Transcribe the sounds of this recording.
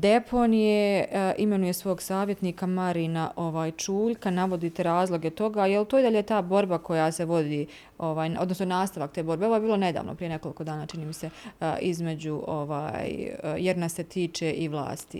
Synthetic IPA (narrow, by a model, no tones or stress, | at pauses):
d̪e̞pʰo̞nijeime̞nuje̞sʋo̞ːɡsaːʋje̞t̪niːkamaɾinaʔo̞ʋaːjt͡ʃuːʎkanaʋo̞d̪it̪e̞ɾaːzlˠo̞ɡet̪o̞ɡajelt̪oːid̪aʎet̪aːbo̞ɾbakʰo̞jase̞ʋo̞d̪iː | o̞ʋaːjno̞d̪nosnonaːst̪aʋakt̪eːbo̞ɾbeo̞ʋoje̞biːlˠo̞ne̞d̪a̰ːʋnopɾije̞ne̞ko̞likod̪aːnaːt͡ʃiniːmise̞izme̞d͡ʑuʔoʋa̰ːjjeɾnaset̪ʰiːt͡ʃeʔiʋlˠa̰ːst̪ḭ